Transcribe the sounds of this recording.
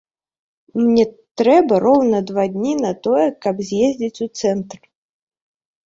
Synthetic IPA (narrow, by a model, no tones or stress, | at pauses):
mnʲɛt̪ɾɛbɐrɔwnɐd̪vad̪ʲnʲinɐt̪ɔjɛkɐbzʲjezʲd͡zʲit͡sʲut̪sɛnt̪r